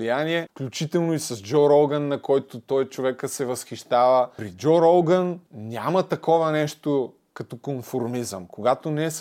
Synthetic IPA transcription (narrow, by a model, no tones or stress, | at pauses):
lijaniɛfklʲut͡ʃit̪ɛlˠnoisɐzd͡ʒɔɾɔlˠɡɐnːɐkɔjt̪ot̪ɔjt͡ʃovɛkəsɛvɐsxiʃt̪avəpɾid͡ʒɔɾɔlˠɡənnʲamɐt̪ɐkɔvɐnɛʃt̪o | kɐt̪ɔkonfoɾmizə̰mkoɡat̪onɛs